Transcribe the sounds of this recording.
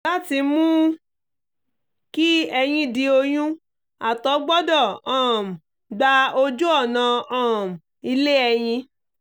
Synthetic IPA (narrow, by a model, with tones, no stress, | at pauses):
la˦ti˧mũ˦ | ki˦ɛ˧j̃ĩ˧di˧o˧j̃ũ˦ | a˨tɔ˨˦ɡ͡bɔ˦dɔ˦˨ɔ̃˨m̩˨ | ɡ͡ba˧o˧d͡ʒu˦ɔ˦˨nã˧ɔ̃˦˨m̩˨ | i˧le˦ɛ˧j̃ĩ˧